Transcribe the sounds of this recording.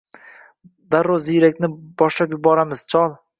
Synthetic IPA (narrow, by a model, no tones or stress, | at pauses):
d̪aɾoziɾakʲnɪbɒʃlapjɪbɒɾamɪz̥t͡ʃʰɒlˠ